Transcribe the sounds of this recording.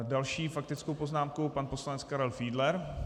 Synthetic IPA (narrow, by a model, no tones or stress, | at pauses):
dalʃiːfak̚t̪ɪt͡skowpo̞znaːmkupanpo̞slanɛt͡skaɾɛlfiːdlɛɾ